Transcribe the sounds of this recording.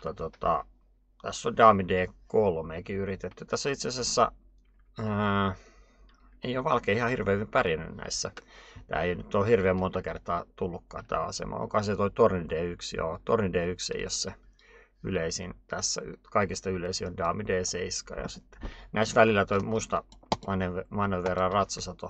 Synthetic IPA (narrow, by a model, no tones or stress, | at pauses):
mut̪ːɑt̪ot̪ɑ̰ | t̪æsːondɑːmideːkolmeːkiyrit̪et̪ːyt̪æsːoit̪seɑsesːæ̰ | ə | eijoʋɑlkeiihɑhirʋeːmːimpærjænːy̰nnæ̰isːæt̪æ̰ːeionyt̪ːoːhirʋeːmmont̪ɑkert̪ɑːt̪ulːukːɑ̰ːt̪t̪æ̰ːɑ̰sḛmɑ̰o̰ŋkohɑset̪oit̪ornideːyksjo̰t̪ornideːyksḛijo̰sse | yleisint̪æsːæ̰y̰kɑikist̪ɑyleisiondɑːmideːseiskɑ̰jɑ̰sit̪ːe̥næisʋælilːˑæt̪oimust̪ɑʋɑneʋʋʋɑnːeʋʋerːɑrrɑt̪sɑsɑt̪o